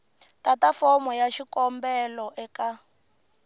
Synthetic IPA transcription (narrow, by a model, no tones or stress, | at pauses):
tatafɔmɔjaʃikɔmbɛlɔʔɛka